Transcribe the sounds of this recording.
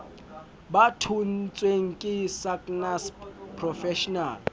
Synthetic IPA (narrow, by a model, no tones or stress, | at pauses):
batʰun̩t͡sʼweŋ̩kʼɪsakʼnaspʰrɔfɛʃɔnaːl